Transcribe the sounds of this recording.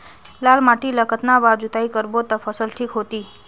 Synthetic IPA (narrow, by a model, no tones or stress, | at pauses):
lalmaʈiləkət̪naʋaɾd͡ʒut̪aikəɾbot̪əfʰəsəlʈʰikɦot̪i